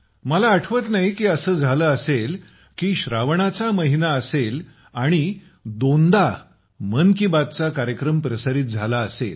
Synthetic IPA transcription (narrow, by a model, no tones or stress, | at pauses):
məlaːʈʰʋət̪naɦikiːəsəːd͡zʱaləːəsel | kiːɕɾaʋɳat͡saməɦinaəsel | aɽ̃i | d̪ond̪a | mənkibad̪̚t͡sakaɾjəkɾəmpɾəsaɾiːt̪̚d͡zʱalaəsel